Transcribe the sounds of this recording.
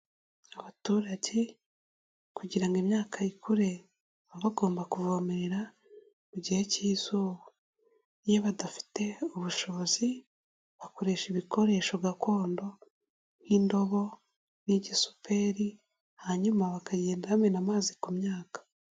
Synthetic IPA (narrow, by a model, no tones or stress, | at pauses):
aβatuːɾaɟe | kuɟiɾaŋɡimɲaːkʰajikʰuɾe̞ | βaβaɡo̞ːmbakuvomeɾeɾa | muɟiheciːzoβo | jeβadafi̥te̞uβuʃo̞βozi | βako̞ɾe̞ʃiβikʰo̞ɾe̞ʃo̞βɡako̞ːndo̞ | n̥hiːndo̞βo̞ | niɟisu̥pe̞ɾi | haɲumaβakaɟe̞ːndahamenamaːzikumɲaːkḁ